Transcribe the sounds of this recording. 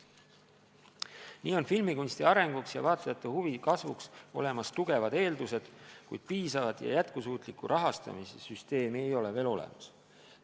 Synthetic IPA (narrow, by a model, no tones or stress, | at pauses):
niːo̞nfilmikunst̪iɑɾe̞ŋɡ̥uksjɑ̰vɑːt̪ːˑɑjɑt̪ːˑuhuvikɑsvukso̞̰le̞mɑst̪uɡ̥e̞vɑd̪̥e̞ːld̪use̞d̪̥kujd̪̥̚piːsɑvɑd̪̥jɑ̰jæt̪kusuːt̪ˑlikːuɾʔɑɦɑst̪ɑ̰misesyst̪e̞ːmie̞jo̞leve̞ːlo̞lḛmɑs